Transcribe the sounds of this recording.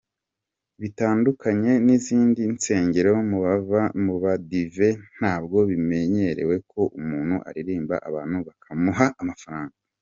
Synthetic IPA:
βitaːndukʰaɲe̞niziːndinse̞ːɲɟe̞ɾeomuβavamuβadive̞n̥haːbɡo̞βime̞ɲe̞ɾe̞̰we̞kʰo̞ʔumuːn̥hṵʔa̰ɾiɾiːmba̰ʔaβaːn̥huβakʰamuɦaʔːmafaɾaːŋɡa

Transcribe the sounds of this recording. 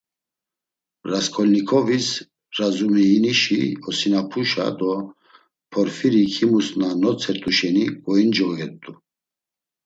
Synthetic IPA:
ɾaskʰɔlnikʰɔvis | ɾazumɛːniʃḭɔsinapʰuʃa̰d̪ɔ | pʰɔɾfiɾikʰimusnanɔt͡sʰɛɾt̪ʼuʃɛniɡʼɔind͡ʒɔɣɔɡɛt̪ʼu

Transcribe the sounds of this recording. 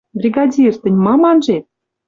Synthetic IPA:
brʲiɡɑdʲirt̪ɘ̆nʲmɑmɑnʒet̪̚

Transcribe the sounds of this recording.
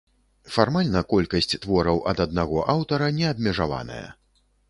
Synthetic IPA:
farmalʲnɐkɔlʲkɐsʲt͡sʲt̪vɔɾɐwʔɐd̪ɐd̪naɣɔʔawt̪ɐɾɐnʲɛɐbmʲɛʐava̰nɐ̰jɐ̰

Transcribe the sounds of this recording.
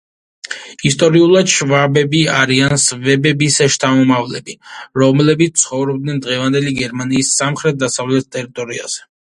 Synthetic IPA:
ist̪ʼɔɾiulˠad̪ʃvabɛbiaɾiansvɛbɛbisɛʃt̪ʰamɔmavlɛ̰biɾɔmlɛbit̪̚t̪sʰχɔvɾɔb̚d̪nɛnd̪ʁɛvand̪ɛliɡɛɾmaniːsːamχɾɛt̪̚ʰd̪asavlɛt̪̚ʰt̪ʼɛɾit̪ʼɔɾia̰z̥ɛ

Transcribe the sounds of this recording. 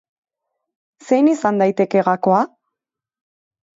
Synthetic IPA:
se̞jnisand̪ajt̪e̞ke̞ɣakoa

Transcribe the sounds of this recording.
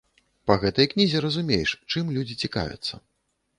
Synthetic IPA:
pɐɣɛt̪ɐjknʲizʲɛɾɐzumʲejʂt͡ʂɨmlʲud͡zʲit͡sʲika̰vʲɛ̰t̪sːɐ̰

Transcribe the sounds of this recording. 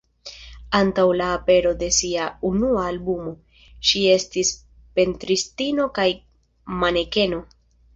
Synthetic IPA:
antawlaːpe̞ɾo̞de̞siaunuaːlbumo̞ | ʃie̞stis | pe̞ntɾistino̞kaj | mane̞ke̞no̞

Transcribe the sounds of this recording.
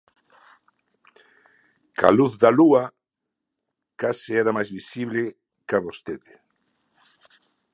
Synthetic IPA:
ka̰luθðalua | kasɪɛɾamajzβisiβle | kaβost̪eðɪ

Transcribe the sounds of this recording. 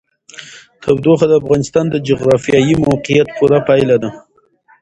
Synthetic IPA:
t̪ʰabd̪oxad̪əafɣɑnɪst̪ɑnd̪əd͡ʒʊɣɾɑfijɑjimawqijat̪pʰuɾapɑjlad̪a

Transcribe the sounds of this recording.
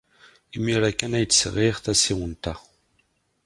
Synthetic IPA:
imiɾækːænæjt͡sːsʁiʁθæsiwənt̪a

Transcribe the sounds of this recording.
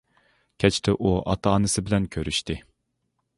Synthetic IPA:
kʲʰɛt͡ʃʰt̪ʰɛʔuʔɑ̰t̪ʰɑɑːnɨsɪbɪlɛnkʲʰøɾyʃt̪ɪ

